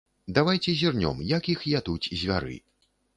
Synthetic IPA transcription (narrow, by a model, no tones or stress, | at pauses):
d̪avajt͡sʲɛzʲirnʲɔ̰mjakixjat̪ut͡sʲzʲvʲaɾɨ̰